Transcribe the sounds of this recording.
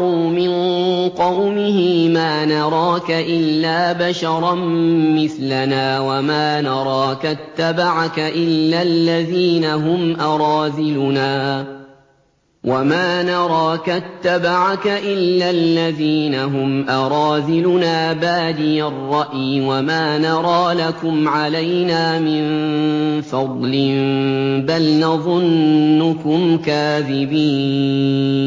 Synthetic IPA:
uːmɪnqɑwmɪhɪmaːnɑɾˤɑːkaʔɪlːaːbaʃɑɾˤɑnmɪθlanaːwamaːnɑɾˤɑːkat̪ːabaʕakaʔɪlːalːaðiːnaɦʊmʔɑɾˤɑːzɪlʊnaː | wʔamaːnɑɾˤɑːkat̪ːabaʕakaʔɪlːalːaðiːnaɦʊmʔɑɾˤɑːðɪlʊnaːbaːd̪ɪjarˤːɑʔjwamaːnɑɾˤɑːlakʊmʕalajnaːmɪn | fɑd̪ˤlɪmbalnɑðˤʊnːʊkʊmkaːðɪbiː

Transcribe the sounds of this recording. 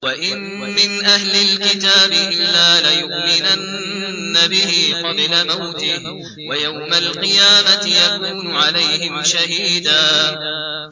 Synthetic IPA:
waʔɪmː | ɪnʔahlɪlkɪt̪aːbɪʔɪlːaːlajʊqjɪnanː | abɪhiːqɑblamawt̪ɪh | wajawmalqɨjaːmat̪ɪjakuːnʊʕalajhɪmʃaɦiːd̪aː

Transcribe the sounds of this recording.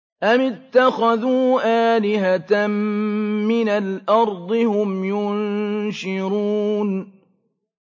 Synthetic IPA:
ʔamɪt̪ːaxaðuːʔaːlɪɦat̪mmɪnalʔɑɾˤd̪ˤɨhʊmjʊnʃɪɾuːn

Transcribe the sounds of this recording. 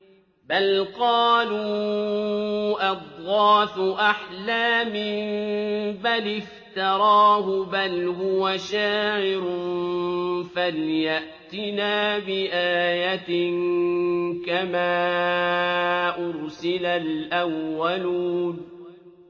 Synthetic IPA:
balqɑːluː | ʔɑd̪ˤɣɑːfʊʔaħlaːmɪ | balɪft̪ɑɾˤɑːɦʊbalɦʊwaʃaːʕɪɾʊn | faljaʔ | t̪ɪnaːbɪʔaːjat̪ɪn | kamaː | ʔʊɾsɪlalʔawːaluːn

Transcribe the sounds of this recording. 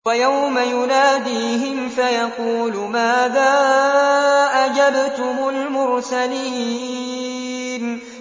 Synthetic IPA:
wajawmajʊnaːd̪iːɦɪmfajɑquːlmaːðaː | ʔad͡ʒabt̪ʊmʊlmʊɾsaliː | n

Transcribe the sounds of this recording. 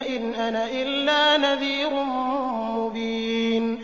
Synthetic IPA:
ʔɪnʔanaʔɪlːaːnaðiːɾʊ | mʊbiːn

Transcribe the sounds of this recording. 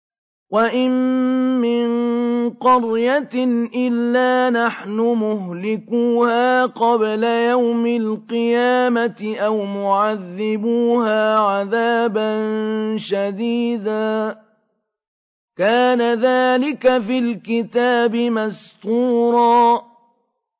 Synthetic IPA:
waʔɪmː | ɪnqɑɾjat̪nʔɪlːaːnaħnʊmʊɦlɪkuːhaːqɑblajawmɪlqɨjaːmat̪ɪʔawmʊʕaðːɪbuːhaːʕaðaːbanʃad̪iːd̪aː | kaːnaðaːlɪkafilkɪt̪aːbɪmast̪uːɾˤɑː

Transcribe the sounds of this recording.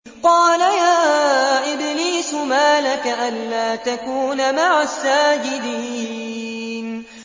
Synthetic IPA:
qɑːlajaːʔɪbliːsʊmaːlakaʔanlaːt̪akuːnamaʕasːaːd͡ʒɪd̪iː | n

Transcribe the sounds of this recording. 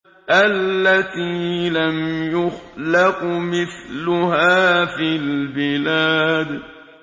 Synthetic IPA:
ʔalːat̪iːlamjʊxlɪqmɪθlʊɦaːfilbɪlaːd̪

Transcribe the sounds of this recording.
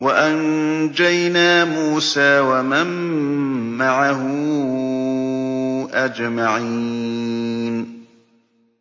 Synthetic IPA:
waʔan | d͡ʒajnaːmuːsaːwamamː | aʕaɦʊ | ʔad͡ʒmaʕi | n

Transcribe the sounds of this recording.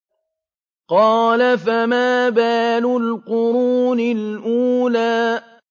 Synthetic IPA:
qɑːlafamaːbaːlʊlqʊɾuːnɪlʔuːlaː

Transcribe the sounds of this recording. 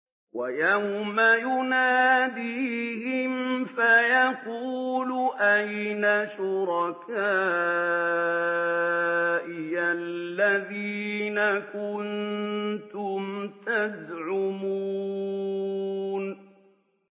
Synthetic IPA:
wajawmajʊnaːd̪iːhɪmfajaquːlʊʔajnaʃʊɾɑkaː | ʔɪjallːaðiːnakʊnt̪ʊmt̪azʕʊmu | n

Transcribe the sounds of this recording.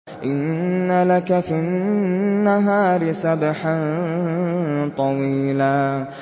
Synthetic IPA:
ʔɪnːalakafinnːaɦaːɾɪsabħan | t̪ˤɑwiːlaː

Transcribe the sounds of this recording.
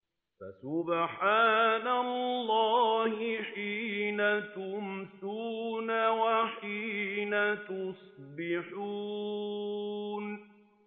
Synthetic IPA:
fa̰sʊbħaːnallːɑːhɪħiːnat̪ʊmsuːnawaħiːnat̪ʊsˤbɪħu | n

